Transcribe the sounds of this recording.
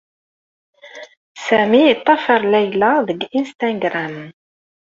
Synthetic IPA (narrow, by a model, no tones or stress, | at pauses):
sæmiːt̪ˤːɑfəɾˤlæjlaðəɡinst̪æŋɡɾam